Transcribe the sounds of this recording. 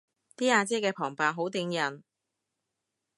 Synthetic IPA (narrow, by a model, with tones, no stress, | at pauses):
t̪iː˥aː˧t͡sɛː˥kɛː˧pʰɔː˨˩ŋpaː˨˩ɦo˨˥wt̪ɪ˧ŋjɐ˨˩n